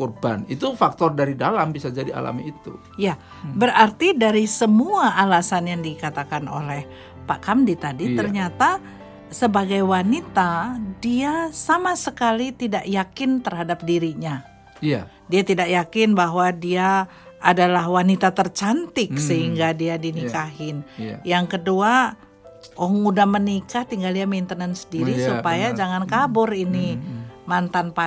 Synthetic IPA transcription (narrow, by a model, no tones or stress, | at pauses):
kurba̰nit̪ufak̚t̪ɔrdaɾidalambisad͡ʒadia̰la̰mḭːt̪ṵ | ja | bəɾart̪idaɾisəmuaʔːlasanjaŋdikat̪akano̰lɛh | paʔkamdit̪adit̪ərɲat̪a | səbaɡajwanit̪adiasamasəkalit̪idaʔjakɪnt̪ərɦadap̚diɾiɲa | diat̪idaʔjakɪnbaɦwadiaː | dalaɦwanit̪at̪ərt͡ʃant̪ɪk̚səɦiŋɡadiadinikaɦɪnjaŋkədua | oŋudahmənikaht̪iŋɡaldiamint̪ənənsədiɾisupajad͡ʒaŋankabʊrinimant̪anpa